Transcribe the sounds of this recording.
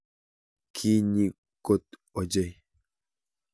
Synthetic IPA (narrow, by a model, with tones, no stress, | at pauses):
kʰi˦ɲi˦ | ko˦tɔ˨d͡ʒe˦j